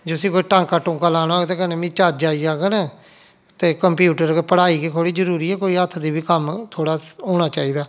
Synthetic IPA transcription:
d͡ʒosĩːkoːiːʈãːŋkaːʈʊ̃ŋkaːlaːnoaːet̪eːkənẽːmĩːt͡ʃaːd͡ʒd͡ʒaːiːaːɡənẽː | t̪eːkəmpjuːʈəɾɡepəɽaːiːkiːkʰoːɽiːd͡ʒəɾuːɾiːɛːkoːiːət̪ʰːd̪iːbiːkəmt̪ʰoːɽaːɦoːɽ̃aːt͡ʃaːiːd̪aː

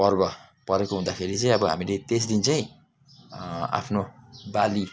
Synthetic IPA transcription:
pʌrbʌ | pʌɾekoɦũd̪akʰeɾit͡saĩʌbʌɦa̰milet̪esd̪int͡saĩ | a̰pʰnobali

